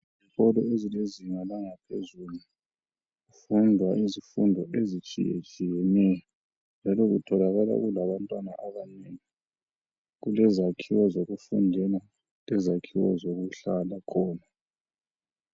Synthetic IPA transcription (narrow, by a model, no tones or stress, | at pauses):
zixɔlɔezileziŋalaŋapʰḛzulu | ɣufundʱwaʔizifundʱɔʔezit͡ʃʼḭjḛt͡ʃʼijɛnɛjɔ | nd͡ʒʱalɔɣṵtʰɔlaɣala̰ɣulaβantʼwana̰ʔaβaneːŋi | ɣulɛzakʰiwɔzoɣufundʱɛla | lɛzakʰiwɔ̰zoɣuɬalakʰɔːna